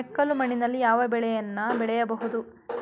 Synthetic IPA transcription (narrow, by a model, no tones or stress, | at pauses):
ɛkːɐlumɐɳinɐlːijaːʋɐbɛɭɛjɐnːɐbɛɭɛjɐbɐɦud̪u